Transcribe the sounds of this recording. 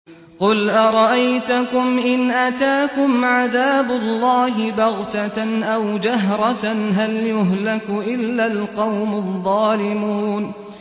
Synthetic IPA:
qʊlʔɑɾˤɑʔajt̪ʊkʊmʔɪnʔat̪aːkʊmʕaðaːbʊlːɑːɦɪbɑɣt̪aʔawd͡ʒaɦɾˤɑɦaljʊɦlakʔɪlːalqɑwmʊðˤːɑːlɪmuːn

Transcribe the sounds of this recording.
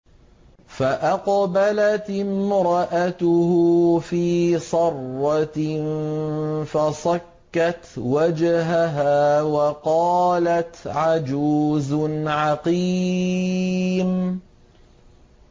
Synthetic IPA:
faʔɑqbalat̪mɾɑʔat̪ʊhʊfiːsˤɑrːɑn | fasˤɑkːat̪wad͡ʒɦaɦaːwɑqɑːlat̪ʕad͡ʒuːznʕɑqi | m

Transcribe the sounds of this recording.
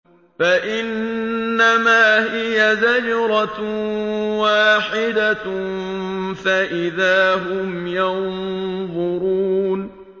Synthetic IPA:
faʔɪnːamaːhɪjazad͡ʒɾˤɑ | waːħɪd̪a | faʔɪðaːɦʊmjɑnðˤʊɾuːn

